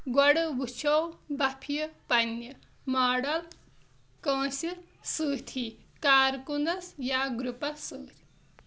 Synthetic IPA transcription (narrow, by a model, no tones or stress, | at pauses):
ɡwɐɽɨbut͡ʃʰowbɐpʰijəpɐnːɐ | maːɽɐl | kãːsi | sɨːt̪ʰi | kaːɾkunɐsjaɡɾupɐsɨːɾi̥